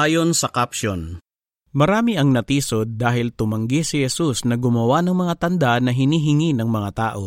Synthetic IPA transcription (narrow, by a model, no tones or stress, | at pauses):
aːjo̞nsɐkapʃon | mɐɾaːmɪʔɐŋnɐt̪iːsod̪̚ːaːɦɪlt̪ʊmɐŋɡisɪhɛsusnɐɡʊmɐwanɐŋmɐŋat̪ɐnd̪anɐɦɪniːɦɪŋinɐŋmɐŋat̪aːʔo̞